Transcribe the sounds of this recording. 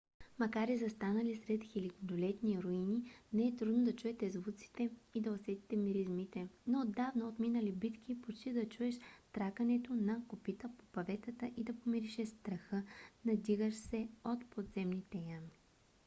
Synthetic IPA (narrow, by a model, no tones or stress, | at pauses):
mɐkaɾizɐst̪anəlisɾɛt̪xilik̪d̪olɛt̪niɾoininɛɛt̪ɾud̪nod̪ɐt͡ʃuɛt̪ɛzvut̪si̥t̪ɛid̪ɐosɛt̪i̥t̪ɛmiɾizmit̪ɛnood̪ːavnɐot̪minəlibit̪k̟ipot͡ʃt̪id̪ɐt͡ʃuɛʃt̪ɾakɐnɛt̪onɐkopit̪əpo̥pɐvɛt̪ət̪əʔid̪ɐpomiɾiʃɛst̪ɾɐxɤnɐd̪iɣəʃsɛot̪pod̪zɛmnit̪ɛjami